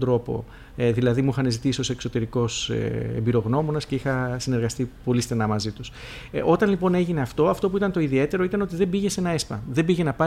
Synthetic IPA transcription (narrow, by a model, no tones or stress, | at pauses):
d̪ɾo̞po̞̰ | ðilɐðimuxɐnezit̪isio̞se̞kso̞t̪e̞ɾiko̞sḛḛmbiɾo̞ɣno̞mo̞nɐsce̞ixɐsine̞ɾɣɐst̪ipo̞list̪enɐmɐzit̪us | o̞t̪ɐnlipo̞neʝine̞ɐft̪o̞ɐft̪o̞p̬uit̪ɐnt̪o̞iðie̞t̪e̞ɾo̞it̪ɐno̞t̪iðe̞mbiʝe̞se̞nɐespɐ̰ðembiʝe̞nɐpɐ